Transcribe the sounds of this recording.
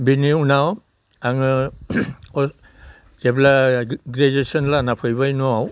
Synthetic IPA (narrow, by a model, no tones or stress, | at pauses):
biniunaw | aŋ | ɔ | kɛblaɡɾed͡ʒesɔnlanapʰɯjbajnɔaw